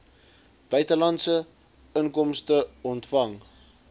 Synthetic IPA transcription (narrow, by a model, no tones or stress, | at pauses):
b̥œɥtəlɐntsə | əŋkɔmstəɔntfɐŋ